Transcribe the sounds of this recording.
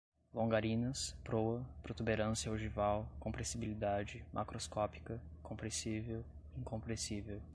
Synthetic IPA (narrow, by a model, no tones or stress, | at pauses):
lõŋɡaɾĩnɐspɾowɐpɾot̪ubeɾɐ̃sjɐoʒivawkõmpɾẽsibilid̪ad͡ʒɪmʔa̰kɾoskɔpi̥kɐkõpɾẽsivew | ĩŋkõpɾẽsivew